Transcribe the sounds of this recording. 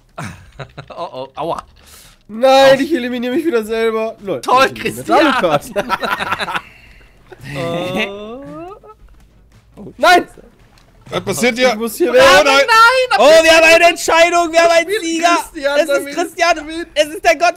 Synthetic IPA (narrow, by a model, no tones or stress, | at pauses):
oʔoʔaʊɐ̰ | naɪnɪçeliminiːʁəmɪçviːdɐzɛlbɐnotʰɔlkʁ̥ɪstanokat | onaɪn | pʰasiːɐtjamʊshiːɐvɛnanaɪnoːviːɐhaːmaɪnəɛntʃaɪɾʊŋviːɐhaːbm̩aɪnziːɡɐtjaɛssʁ̥ɪstjanviɛsɪst̚aɡɔt